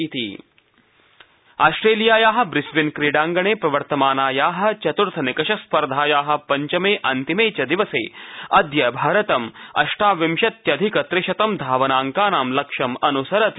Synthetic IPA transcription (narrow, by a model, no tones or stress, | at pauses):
it̪ḭ | a̰ːsʈɾeːlijaːjaːɦɐ̆bɾɪsʋinkɾiːɖaːŋɡɐɳeːpɾɐʋɐɾt̪ɐmaːnaːjaːɦɐ̆t͡ʃɐt̪uɾt̪ʰɐnikɐʃɐspɐɾd̪ʱaːjaːɦɐ̆pɐɲt͡ʃɐmeːʔɐnt̪imeːt͡ʃɐd̪iʋɐsḛːɐd̪jɐbʱaːɾɐt̪ɐmɐ̰ʃʈaːʋimʃɐt̪jɐd̪ʱikɐt̪ɾɪʃɐt̪ɐmd̪ʱaːʋɐnaːŋkaːnaːmlɐkʃɐmɐnusɐɾɐt̪